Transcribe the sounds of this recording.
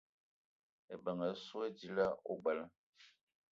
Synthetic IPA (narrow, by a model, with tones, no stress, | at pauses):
e˨bə˨ŋə˨˦su˦e˦di˦la˦o̰˦ɡ͡bə˨l